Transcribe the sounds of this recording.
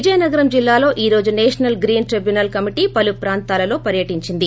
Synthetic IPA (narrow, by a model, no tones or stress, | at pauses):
id͡ʒɐjɐnɐɡɐɾɐmd͡ʒilːaːlo̞ːʔiːɾoːd͡ʒuneːʂɐnɐlɡɾiːnʈɾibjunɐlkɐmiʈiːpɐlupɾaːnt̪aːlɐlo̞ːpɐɾjɐʈiɲt͡ʃind̪i